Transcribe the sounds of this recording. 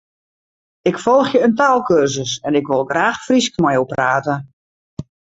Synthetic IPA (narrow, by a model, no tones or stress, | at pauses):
ɪkfɔlˠxjəəntaːlˠkørsəsɛnɪkʋɪlˠɡraːxfriskmɛjopraːtə